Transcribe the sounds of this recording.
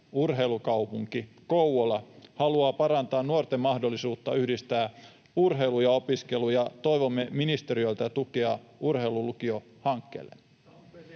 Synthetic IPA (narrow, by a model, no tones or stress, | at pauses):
urɦe̞ilukɑupuŋkikowwolɑhɑluɑːpɑɾɑnt̪ɑːnnuort̪emːɑhdo̞lːisuːt̪ːɑyhdist̪æː | urɦe̞ilujɑo̞piske̞lujɑt̪o̞iʋo̞mːeminist̪e̞ɾiø̞lt̪æt̪ukeɑʔurhe̞ilulukio | hɑŋkːḛlːḛn